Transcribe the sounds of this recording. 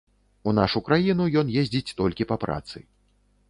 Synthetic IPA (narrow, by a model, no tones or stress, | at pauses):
unaʂukɾajinujɔnjezʲd͡zʲit͡sʲt̪ɔlʲkʲipapɾa̰t̪sɨ̰